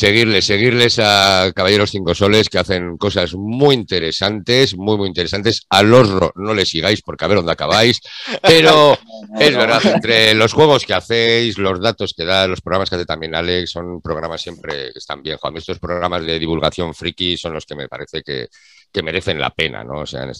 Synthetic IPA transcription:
se̞ɣ̞iɾle̞sːe̞ɣ̞iɾle̞sakaβaʝeɾo̞sθiŋko̞so̞le̞skeaθe̞ŋko̞sazmujint̪e̞ɾe̞sant̪e̞zmwujmuint̪eɾesant̪e̞salo̞zro̞̰no̞le̞siɣ̞ajspo̞ɾkeaβeɾond̪akaβajspe̞ɾo̞e̞zβe̞ɾðaθent̪ɾe̞lo̞sxwe̞ɣ̞o̞ske̞aθe̞jslo̞zð̞at̪o̞ske̞ðalo̞spɾoɣɾamaskeaθet̪amje̞nale̞ksːo̞mpɾoɣ̞ɾamasːje̞mpɾe̞̰ke̞̥st̪a̰mbje̞ŋxoamiest̪o̞spɾoɣɾamazðe̞ðiβulɣaθjo̞ɱfɾikiso̞nlo̞ske̞me̞̰pa̰ɾe̞θe̞ke̞̰ | ke̞me̞ɾe̞θe̞nla̰pe̞na̰no̞̰ose̞̰a̰nḛs

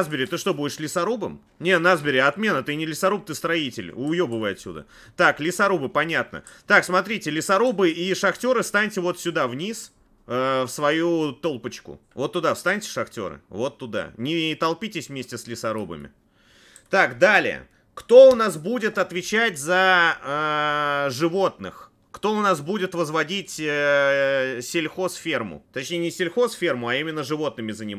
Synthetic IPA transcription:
zbʲɪɾʲɪt̪ɨʂt̪o̞budʲɪʂlʲɪsɐɾubɨm | nʲenazbʲɪɾʲɪɐt̪mʲe̞nət̪ɨnʲɪlʲɪsɐɾup̚t̪ɨst̪ɾɐitʲɪ̰lʲʊjobɨvajɪɐt̪sʲṵd̪ə̰ | t̪aklʲɪsɐɾubɨpɐnʲat̪̚nə̰t̪aksmɐt̪ɾʲitʲɪlʲɪsɐɾubɨiʂɐxtʲo̞ɾɨfst̪anʲtʲɪvo̞t̪sʲʊd̪avnʲis | əfsvɐjut̪o̞lˠpət͡ɕkʊ̰vo̞t̪ːʊd̪afst̪anʲtʲɪ̥ʂɐxtʲo̞̰ɾɨ̰vo̞t̪ːʊd̪a̰nʲɪt̪ɐlˠpʲitʲɪsʲvmʲesʲtʲɪslʲɪsɐɾo̞bə̰mʲɪ̰ | t̪akd̪alʲɪ̰ə̰ | kt̪o̞ʊnasbudʲɪt̪ɐt̪vʲɪt͡ɕætʲzəə | ʐɨvo̞t̪nɨ̰x | kt̪o̞ʊnasbudʲɪt̪vəzvɐdʲitʲə | sʲɪlʲxo̞sfʲe̞rmʊ̰t̪ɐt͡ɕnʲejɪnʲɪsʲɪlʲxo̞sfʲe̞rmʊɐimʲɪnːəʐɨvo̞t̪̚nɨmʲɪzənʲɪm

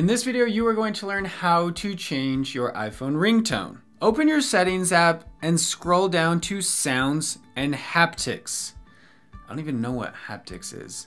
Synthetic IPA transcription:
ɨ̃nðɪsvɪɾioʊjɨwə˞ɡoʊɪ̃ŋtʰəlɜ̃˞nhaʊɾɨt͡ʃʰẽɪ̃nd͡ʒjə˞ʔa̰ɪfõʊ̃nɹɪ̃ŋtʰõ̰ʊ̃n | oʊpɨ̃njə˞sɛɾɪ̃ŋzʌpɨ̃nskɹoʊlˠdãʊ̃ntʰɨsãʊ̃ndzɨ̃nhæptʰɪ̰ks | ɪd̥õntivɨ̃nːoʊwʌ̰t̚hæ̰p̚tʰɨ̰ksɪ̰z̥

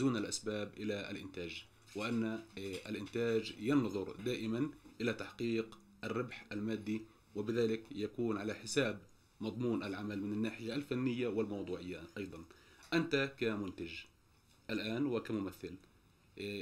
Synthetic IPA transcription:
zuːnalʔasbaːbʔɪlaʔalʔɪnt̪aːd͡ʒ | wɪʔanːaalʔɪnt̪aːd͡ʒjɪnðˤʊɾd̪aːʔɪmanʔɪlat̪aħqiːq | ʔarːɪbħʔalmaːd̪ːi | wɪbɪðaːlɪkjakuːnʕalaħɪsaːb | mɑd̪ˤmuːnʔalʕamalmɪnanːaːħɪjaːlfanːɪjːawɪlmɑwd̪ˤuːʕɪjːaʔɑjd̪ˤɑnʔant̪akamʊnt̪ad͡ʒ | ʔalʔaːnwɪkamʊmaθːɪl

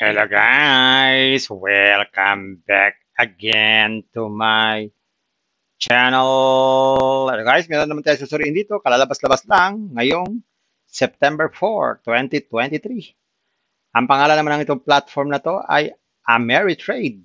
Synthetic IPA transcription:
hɛ̰loɡajswɛlkambak̚ɐɡɛnt̪umaj | t͡ʃɛnɛl | ɛloɡajsmɛːɾonɐmat̪aːjs̬usʊɾiːʔːɪnd̪iːt̪o̞kɐlaːlɐbaslɐbaslaŋːɐjoŋ | sɛp̚t̪ɛmbɛɹfo̰ɹt̪wɛnt̪it̪wɛnt̪it̪ɾi | ʔɐŋpɐŋaːlɐnɐmanɐŋʔɪt̪oŋplat̪foɹmnɐt̪o̞ʔa̰j | ʔɐmɛɹit̪ɹejd̪̚

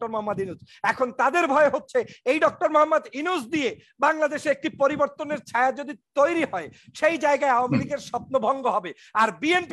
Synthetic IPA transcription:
ʈoɾmoɦamːad̪inud͡ʑ | ɛkʰont̪ad̪eɾbʱɔeɦotːɕʰeejɖɔk̚ʈoɾmoɦamːad̪inusd̪ije | baŋlad̪eʃeek̚ʈipoɾiboɾt̪oneɾt͡ɕʰaead͡ʑod̪it̪ojɾiɦɔeʃejd͡ʑaeɡaeawamiliɡeɾʃɔp̚nobʱɔŋɡoɦɔbe | aɾbienp

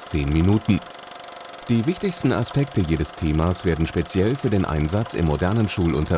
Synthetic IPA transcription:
t͡seːnminuːtn̩ | d̥iːvɪçtɪçstn̩a̰spɛk̚təjeːdəstʰeːmaːsv̥eːɐdn̩ʃpet͡sjɛlfyːɐdeːnʔa̰ɪnzat͡sɪ̰mːodɛɐnənʃuːlʔʊ̰ntɐ

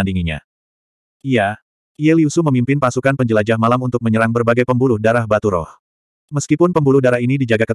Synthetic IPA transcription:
andiŋiɲa̰ | ija | iɛliusuməmimpɪnpasukanpəɲd͡ʒəlad͡ʒahmalamunt̪ʊk̚məɲəɾaŋbərbaɡajpəmbulʊhdaɾahbat̪uɾɔ̰h | məskipʊnpəmbulʊhdaɾaɦinidid͡ʒaɡakə

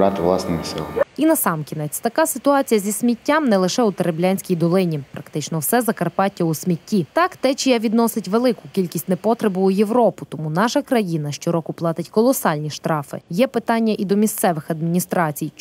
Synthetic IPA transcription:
ɑt̪ɪʋlˠɑsnɪmɪsɪ̰lˠɐminɐsɑmkʲinɛt͡sʲt̪ɐkɑsɪt̪ʊɑt͡sʲijɐzʲisʲmʲitʲːamnɛlˠɪʃɛʊt̪eɾeblʲanʲsʲkʲijd̪ɔlˠɪnʲipɾɐkt̪ɪt͡ʃnɔwsɛzɐkɐrpɑtʲːɐʊsʲmʲitʲːit̪ɑkt̪ɛt͡ʃijaʋʲid̪nɔsɪtʲʋelˠɪkʊkʲilʲkʲisʲtʲnɛpɔt̪ɾebʊʊjeʋɾɔpʊt̪ɔmunɑʃɐkɾɐjinɐʃt͡ʃɔɾɔkʊplˠɑt̪ɪtʲkɔlˠɔsɑlʲnʲiʃt̪ɾɑfɪ̰jɛpɪt̪ɑnʲːɐʔid̪ɔmʲist̪sɛʋɪxɐd̪mʲinʲist̪ɾɑt͡sʲij

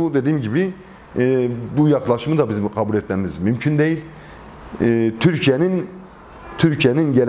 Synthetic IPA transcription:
ud̪e̞d̪iːmɟibi | bujɑqlˠɑʃɯmɯd̪abizimkʰɑbulʲɛt̪̚mɛmizmymcʰynd̪ejilʲ | t̪ʰyɾcʰijenin | t̪ʰyɾcʰijeninɟel

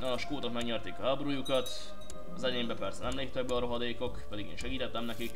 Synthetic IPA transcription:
nɒːʃkoːt̪okmɛɡɲɛrt̪eːkɒɦabruːjukɒt̪ | ɒzɛɟeːmbɛpɛrsɛnɛmleːp̚t̪ɛɡ̚bɛɒɾo̞ɦɒd̪eːko̞kpɛd̪iɡḛːnʃɛɡiːt̪ɛt̪ːɛmnɛkik

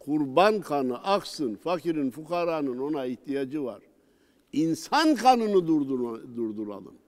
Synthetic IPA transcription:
kʰuɾbankʰanɯʔaksɯnfakʰiɾinfukʰaɾanɯno̞naiht̪ʰijad͡ʒɯva̰ɾ | insankʰanɯnɯd̪uɾd̪uɾd̪uɾa̰lˠɯ̰m

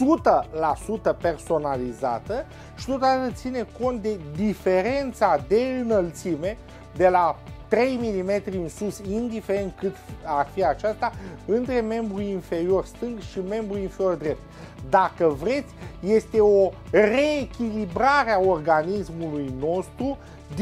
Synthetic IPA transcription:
sut̪əlasut̪əpe̞rso̞naliza̰t̪ə | ʃi̥t̪o̞t̪ad̪at̪ət̪sine̞ko̞nt̪̚d̪e̞d̪ife̞ɾe̞nt̪sad̪e̞ɨnəlt̪sime̞ | d̪e̞lat̪ɾe̞jmilime̞t̪ɾiɨnsusind̪ife̞ɾe̞nt̪̚kɨt̪arfiat͡ʃast̪aɨnt̪ɾe̞me̞mbɾuinfe̞ɾio̞rst̪ɨŋɡʃime̞mbɾuinfeɾio̞rd̪ɾe̞p̚t̪̚ | d̪akəvɾe̞t̪sʲje̞st̪e̞o̞re̞ːkʲilibɾaɾeao̞rɡanismulujno̞st̪ɾu | d̪

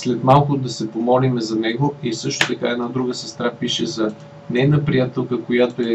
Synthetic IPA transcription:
slɛt̪malˠkʊd̪ɐsɛpomɔlimɛzɐnɛɡoisɤʃt̪ot̪ɐkaɛd̪nad̪ɾuɡəsɛst̪ɾapiʃɛzɐ | nɛnəpɾijat̪ɛlˠkəkojat̪oɛ

